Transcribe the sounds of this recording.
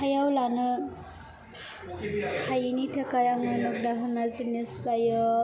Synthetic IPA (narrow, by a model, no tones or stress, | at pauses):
hajawlanɯ | hajinitʰakajaŋɔjnɔk̚daɦɯnazinisbajɔ